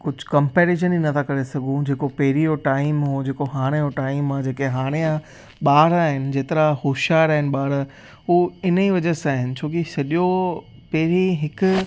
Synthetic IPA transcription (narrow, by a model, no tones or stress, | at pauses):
kʊd͡ʑʱʊ̆kɐmpeːɾeʃ̬əninɐt̪ʰakɐɾesɐɡʱũd͡ʑeːkopɛɦɪɾijoʈaːɪmɦod͡ʑeːkoɦaːɽ̃ejoʈaːɪmãd͡ʑeːkeɦaːɽ̃ejã | ɓaːɾaːɦɪnɪ̆d͡ʑeːt̪ɪɾahoːʃaːɾaːɦɪnɪ̆ɓaːɾ | ɦuɪniʋɐd͡ʑəsaːɦɪnɪ̆t͡ɕʰoːkisɐɗijo | pɛɦɪɾiɦɪkʊ